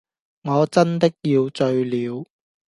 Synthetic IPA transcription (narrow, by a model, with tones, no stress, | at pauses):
ŋɔː˨˧t͡sɐ˥nt̪ɪ˥k̚jiː˧wt͡ʃɵ˧ɥliː˨˧w